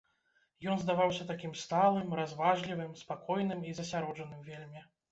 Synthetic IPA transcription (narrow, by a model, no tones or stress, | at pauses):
jɔnzd̪avawsʲɐt̪akʲimst̪alˠɨmɾazvaʐlʲivɨmspakɔjnɨmizɐsʲaɾɔʐɐnɨmvʲelʲmʲi